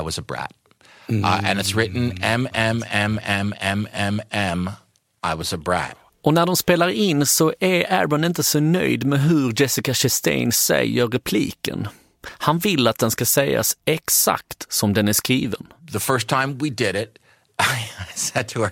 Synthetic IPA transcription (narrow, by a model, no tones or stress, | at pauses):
ɪwʌzəbɹæ̰t̚ | ɨ̰̃nɨtsɹɪʔn̩ɛ̃mɛ̃mɛ̃mɛ̃mɛ̃mɛ̃mɛ̃m | ʔaɪwʌzəbɹæ̰t̚ | ɔnæɖɔmspeːlaɾɪnːsɔʔæɾæ̰bənɪnt̪əsɔnœ̰jd̪mɛɦɵɾd͡ʒɛsɪkaʃɛst̪ɛ̰ɪnsɛ̰jːəɾɛpʰlḭːkə̰n | hanvɪlːat̪̚d̪ɛnskasɛjːa̰sɛksa̰k̚t̪sɔmd̪ɛnæskɾiːvə̰nðəfɜ˞stʰãɪ̃mwidɪɾɪt̚ | aɪsɛd̚tʰəə